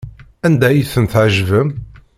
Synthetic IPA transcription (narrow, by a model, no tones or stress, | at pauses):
ænd̪æjəθənθʕəʒvəm